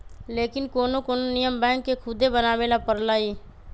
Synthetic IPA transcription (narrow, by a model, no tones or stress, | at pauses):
leːkɪnkoːnokoːnonɪjəmbɛ̃ːkːekʰʊd̪ebənaːʋeːlapəɾlaːiː